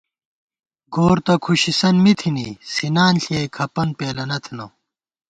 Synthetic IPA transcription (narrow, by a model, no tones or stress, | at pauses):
ɡoːɾt̪ɐkʰuɕisɐnmit̪ʰinisinaːnɬiekʰɐpɐnpeːlɐnɐt̪ʰinɐ